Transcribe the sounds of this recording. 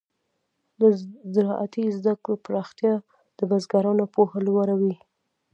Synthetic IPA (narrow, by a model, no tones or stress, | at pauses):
d̪əzɪɾɑʔat̪izd̪akɽopɾɑxt̪jɑ | d̪̥əbazɡaɾɑnopohalwaɾawi